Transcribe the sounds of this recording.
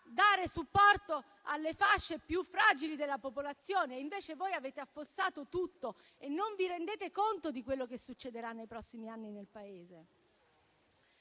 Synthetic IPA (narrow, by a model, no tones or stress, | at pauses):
d̪aːɾesupːɔrt̪o | alːefaʃːepjufːɾaːd͡ʒilid̪elːapopolat̪sːjoːneiɱveːt͡ʃevoːjaveːt̪eafːosːaːt̪ot̪ut̪ːo | enːoɱviɾend̪eːt̪ekont̪od̪ikwelːokesut͡ʃːed̪eɾanːejpɾɔsːimianːinelpaeːze